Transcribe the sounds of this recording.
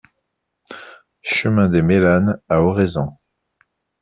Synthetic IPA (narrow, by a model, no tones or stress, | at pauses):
ʃəmɛ̃d̪emelanaɔʁezɑ̃